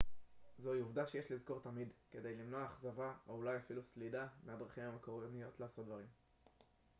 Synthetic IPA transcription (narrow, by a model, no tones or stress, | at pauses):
zoiuvdaʃejeʃlizko̞ʁt̪amid̪ke̞d̪e̞jlimno̞aːχzavaoulajafiluslidamead̪ʁaχimhamekoʁonijo̞t̪laːso̞t̪̚dvaʁim